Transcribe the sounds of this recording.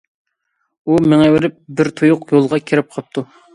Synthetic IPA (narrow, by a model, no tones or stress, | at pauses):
umeŋɛwɪɾɪp̚bɪɾt̪ʰujʊqjolˠʁɑkʲʰeɾɪp̚qʰɑp̚t̪ʰu